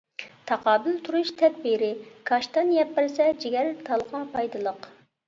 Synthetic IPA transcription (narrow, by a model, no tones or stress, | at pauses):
t̪ʰɑqɑːbɪlt̪ʰuɾuʃt̪ʰɛd̪̚biɾɪkʰɑʃt̪ɑnjɛpːɪɾsɛd͡ʒiɡʲɛɾt̪ʰɑlˠʁɑpʰɑjd̪ɨlˠəq